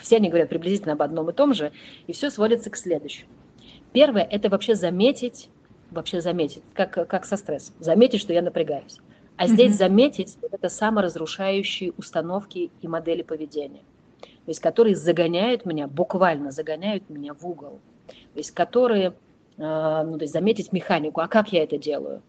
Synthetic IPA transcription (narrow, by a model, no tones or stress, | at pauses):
fsʲeɐnʲiɡəvɐɾʲat̪̚pɾʲɪblʲɪzʲitʲlʲnəɐbɐd̪no̞mɨt̪o̞mʐɨifsʲo̞svo̞dʲɪt̪səksʲlʲed̪ʊɕːɪmʊ | pʲe̞rvəjəʔɛt̪əvɐpɕːe̞zɐmʲetʲɪtʲ | vɐpɕːezɐmʲetʲɪt̚ʲkakkːaksɐst̪ɾɛsːəmzɐmʲetʲɪtʲʂt̪o̞janəpɾʲɪɡajʊsʲ | ɐzʲdʲesʲzɐmʲetʲɪtʲɛt̪əsaməɾəzɾʊʂajʉɕːɪjəʊst̪ɐno̞fkʲɪimɐd̪ɛlʲɪpəvʲɪdʲenʲɪjə | t̪o̞ɪsʲtʲkɐt̪o̞ɾɨjəzəɡɐnʲæjʊt̪mʲɪnʲabʊkvalʲnəzəɡɐnʲæjʊt̪̚mʲɪnʲavuɡəlˠ | tt̪o̞ɪsʲtʲkɐt̪o̞ɾɨjə | nut̪o̞ɪsʲtʲzɐmʲetʲɪtʲmʲɪxanʲɪkʊɐkakjaɛt̪ədʲe̞lˠə̰jʊ̰